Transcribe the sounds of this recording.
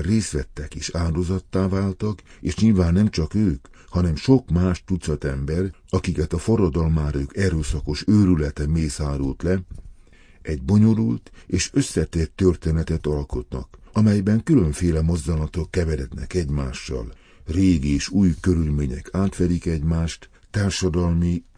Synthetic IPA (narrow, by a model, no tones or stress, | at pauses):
reːst̪ʋɛt̪ːɛkeːʃaːd̪ozɒt̪ːaːvaːlt̪ɒkeːʃɲilvaːnːɛmt͡ʃɒkøːk | hɒnɛmʃo̞kmaːʃt̪ut̪sɒt̪ɛmbɛr | ɒkikɛt̪ɒfo̞rːɒd̪ɒlmaːɾøːkɛɾøːsɒko̞ʃøːɾylɛt̪ɛmeːsaːɾult̪lɛ | ɛɟ̚bo̞ɲo̞lult̪eːʃø̞sːɛt̪eːrt̪ːørt̪eːnɛt̪ɛt̪ɒlko̞t̪nɒ̰kɒmɛjbɛŋkylø̞ɱfeːlɛmo̞zd̪ɒnɒt̪okːɛvɛɾɛd̪nɛ̰kɛɟmaːʃːɒ̰l | reːɡieːʃuːjkø̞ɾylmeːɲɛ̰kʰaːt̪ʋɛd̪ikɛɟmaːʃt̪ːaːrʃɒd̪ɒlmi